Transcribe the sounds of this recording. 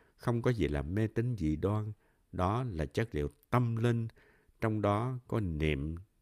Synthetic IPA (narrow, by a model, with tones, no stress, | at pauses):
xə˧wŋ͡mkɔ˨˦zḭ˨˩laː˨˩mmɛ˧t̪ï˨˦ŋ̟zḭ˧˩ɗwaː˧n | ɗɔ˨˦laː˨˩t͡ɕə˦˥k̚lḭ˧˨əwt̪ə˧mlï˧ŋ | t͡ɕɔ˧wŋ͡mɗɔ˨˦kɔ˨˦nḭ˧˨m